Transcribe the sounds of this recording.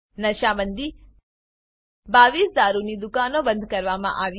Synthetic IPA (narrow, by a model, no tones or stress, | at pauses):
nɐʃaːmɐnd̪i | baːʋiːsd̪aːɾunid̪ukaːnoːbɐnd̪kɐɾʋaːmɐ̰ʔaːʋ